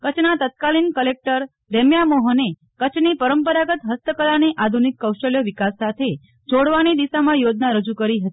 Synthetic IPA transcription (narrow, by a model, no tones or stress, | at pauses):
kət͡ʃʰnat̪ət̪̚kalinkəlek̚ʈəɾ | ɾemjamoɦəne | kət͡ʃʰnipəɾəmpəɾaɡət̪ɦəst̪əkəlaniʔad̪ʱunikːəwʃəljəʋikasːat̪ʰe | d͡ʒoɽʋanid̪iʃamãjod͡ʒnaɾəd͡ʒukəɾiɦət̪i̥